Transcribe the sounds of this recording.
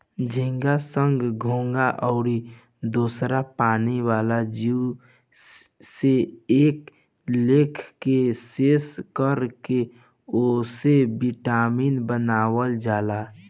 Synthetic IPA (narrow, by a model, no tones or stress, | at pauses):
d͡ʒʱĩŋɡasəŋɡɡʱõːŋɡaʔɔʊɾi | d̪oːsɾapaːniwaːlad͡ʒiu | seeːk | leːkʰkeseːskəɾke | osebiʈaːmiːnbənaːwəld͡ʒaːla